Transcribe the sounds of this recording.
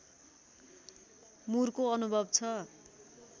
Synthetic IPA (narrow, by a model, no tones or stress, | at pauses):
murkoʌnubʱʌbt͡sʰʌ